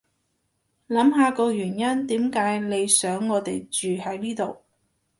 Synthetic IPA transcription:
lɐ˨˥mɦaː˧kɔː˧jyː˨˩njɐ˥nt̪iː˨˥mkaː˨˥jle˨˧jsœː˨˥ŋːɔː˨˧t̪e˨jt͡ʃyː˨hɐ˨˥jliː˥t̪o˨w

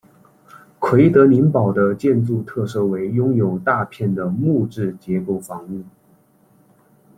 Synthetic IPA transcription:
kʰwe˧˥ɪt̪ɤ˧˥ni˧˥npɑ˨˩ʊd̪ə˦t͡ɕjɛ˥˧nt͡su˥˧t̪ʰɤ˥˧ʂɤ˥we˧˥ɪjʊ˥ŋjo˨˩ʊt̪a˥˧pʰjɛ˥˩nd̪ə˩mu˥˧ʈ͡ʂɻ̩˥˩t͡ɕjɛ˧˥pu˥˩fɑ˧˥ŋu˥˩n

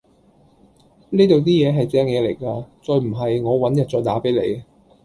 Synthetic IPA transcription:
neː˥t̪o˨˧wt̪iː˥jɛː˨˧ɦɐ˨jt͡sɛː˥ŋjɛː˨˧le˨˩jkaː˧t͡sɔː˧jm̩˨˩ɦɐ˨jŋɔː˨˧wɐ˨˥njɐ˨˩t̚t͡sɔː˧jt̪aː˨˥pe˨˥jlḛ˨˧j

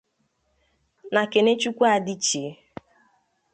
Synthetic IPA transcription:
na˨ke˨ne˦t͡ʃu˦kʷa˦˨dɪ˦t͡ʃe˨˦

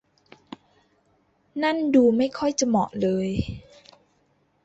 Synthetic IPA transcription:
na˥˩˨nduː˧ma˥˩jkʰɔ˥˩jt͡ɕa˨mɔ˨˩ʔlɤː˧j

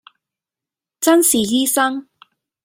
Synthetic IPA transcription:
t͡sɐ˥nsiː˨˩jiː˥sɐ˥ŋ

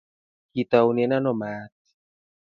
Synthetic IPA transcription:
kit̪a˧wne˦na˦nɔmaːt̪̚

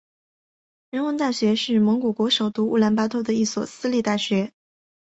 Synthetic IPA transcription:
ɻə˧˥nwə˧˥nt̪a˥˩ɕɥɛ˧˥ʂɻ̩˥˩mɤ˧˥ŋku˨˩kwɔ˧˥ʂo˨˩ʊt̪u˥ṵ˥˩la˧˥npa˥t̪ʰɔ˥˩d̪ə˩i˥˩swɔ˨˩sɹ̩˥li˥˧t̪a˥˩ɕɥɛ˧˥

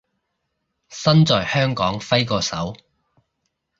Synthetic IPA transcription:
sɐ˥nt͡sɔː˨jhœː˥ŋkɔː˨˥ŋfɐ˥jkɔː˧sɐ˨˥w

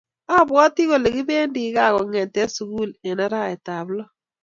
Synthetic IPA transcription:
a˦˨bwɔ˦tɪ˦ɣo˨le˨ɡɪ˦be˦ndɪ˨˦ɡa˦˨ɣɔ˨ŋɛ˨tɛ˦su˨ku˦lɛ˨na˦ɾa˦˨ɛ˨ta˨blɔ˦

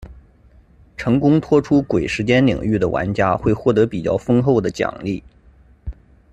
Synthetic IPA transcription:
ʈ͡ʂʰɤ˧˥ŋkʊ˥ŋt̪ʰwɔ˥ʈ͡ʂʰu˥kwe˨˩ɪʂɻ̩˧˥t͡ɕjɛ˥nlḭ˨˩ŋy˥˩d̪ə˩wʔa̰˧˥nt͡ɕja˥xwe˥˧ɪxwɔ˥˩t̪ɤ˧˥pi˨˩t͡ɕjɑ˥˩ʊfɤ˥ŋxo˥˩ʊd̪ə˩t͡ɕjɑ̰˨˩ŋli˥˩

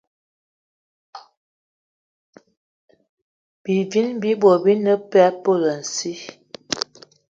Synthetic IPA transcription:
b̥i˨vi˦nbi˦bo˨bi˦nə˦pɛ˦po˦˨lə˨n̩˨si˦

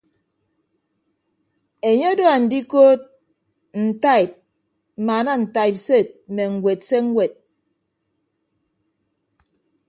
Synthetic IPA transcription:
e˨ɲɔ˦do˦a˨n̩˨di˦koː˦t̚ | n̩˨ta˦˨i˨p̚ | m̩˨ma˨na˦n̩˨ta˦i˨p̚se˦˨t̚mɛ˨ŋ̩˨we˨t̚se˦ŋ̩˦wɛ˨t̚

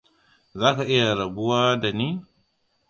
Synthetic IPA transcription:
za˦ka˨ʔi˦ja˨ɾa˨bu˦wa˦da˨ni˦

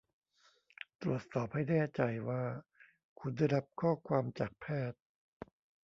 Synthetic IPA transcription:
t̪ɾu˨˩ət̪̚sɔː˨˩p̚ha˥˩jnɛː˥˩t͡ɕa˧jwaː˥˩ | kʰu˧nda˥˩jɾa˦˥p̚kʰɔː˥˩kʰwaː˧mt͡ɕaː˨˩k̚pʰɛː˥˩t̪̚

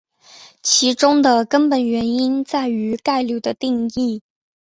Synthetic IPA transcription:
t͡ɕʰi˧˥ʈ͡ʂʊ˥ŋd̪ə˨kə˥npə˨˩nɥɛ˧˥ni˥nt͡sa˥˩ɪy˧˥ka˥˧ɪlju˥˩d̪ə˨t̪i˥˧ŋi˥˩

